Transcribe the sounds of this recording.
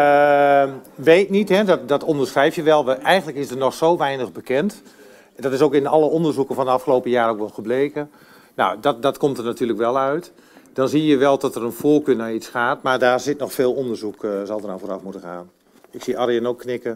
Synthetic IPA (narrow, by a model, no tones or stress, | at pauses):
ə | ʋeːtnithɛdɔtdɔtondərsrɛjfjəʋɛlˠʋɛɛjɣəndləkɪsdərnɔxsowʋɛjnəɣbəkɛnt | dɔtɪsowkɪnɔləondərzukənfɔndəɑfxəloːpəjaːɾoːkʋɛlˠxəbleːkə | na̰wdɔdɔtkomtərnatyːləkʋɛlˠœɥt | d̥ɔnziəjəʋɛlˠdɔtərənfoːkøːnaitsxaːtmaːrdaːrzɪtnɔxfeːlˠondərzukzɔlˠdəraforafmutəxa̰ːn | ɪksiʔarijənoːkʰːnɪkə